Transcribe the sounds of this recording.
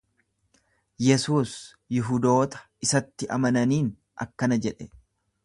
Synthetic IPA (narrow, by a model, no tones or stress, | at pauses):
jɛsuːs | jɪɦʊd̪o̞ːt̪ɐ̥ | ɪsɐt̪ːɪʔɐ̰mɐnɐniːn | ʔɐ̰kːɐnɐd͡ʒɛᶑɛ